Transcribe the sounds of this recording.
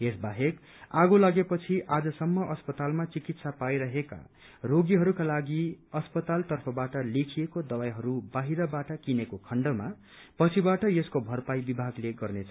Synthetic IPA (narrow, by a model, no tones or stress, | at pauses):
esbaɦek | aɡolaɡepʌt͡sʰiʔad͡zʌsʌmːʌʔʌspʌt̪almat͡sikit̪sapajɾʌɦeka̰ | roɡiɦʌɾukalaɡiʌspʌt̪alt̪ʌrpʰʌbaʈʌlekʰiekod̪ʌwajɦʌɾubaɦiɾʌbaʈʌkinekokʰʌɳɖʌma | pʌt͡sʰibaʈʌjeskobʱʌrpajbibʱaɡleɡʌrnet͡sʰʌ